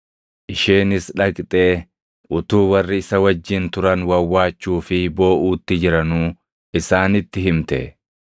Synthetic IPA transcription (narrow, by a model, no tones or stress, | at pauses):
ʔɪʃeːnɪsᶑɐkʼt̪ʼeː | ʔʊt̪uːwɐrːɪɪsɐwɐd͡ʒːɪnt̪ʊɾɐnwɐwːaːt͡ʃːuːfɪbo̞ːʔuːt̪ːɪd͡ʒɪɾɐnuː | ʔɪsaːnɪt̪ːɪɦɪmt̪ɛ